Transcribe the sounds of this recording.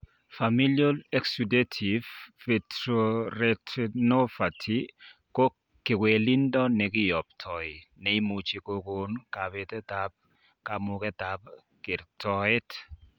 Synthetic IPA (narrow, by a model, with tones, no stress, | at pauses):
fa˨mi˦ljo˦lɛksude˦tʰi˨ffɛ˨tɾoɾɛtnɔ˦fa˨tʰi˨ko˦ | kɪ˨kwe˨li˦ndɔ˦nɛ˨kɪ˦jɔ˨p̚tʰɔ˨i˨nɛ˨i˦mu˨t͡ʃi˨ko˨ko˨nka˨βɛ˨tɛ˦tap̚ | ka˨mʊkɛ˦ta˨p̚ | kɪ˨ɾtʰɔe˦t